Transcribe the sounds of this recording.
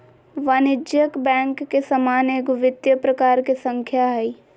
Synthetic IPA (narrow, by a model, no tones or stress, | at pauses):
ʋaːnɪd͡ʒjəkbɛ̃ːŋkːesɐmaːneːɡʋɪt̪jəpɾɐkaːɾkesə̃ŋkʰjai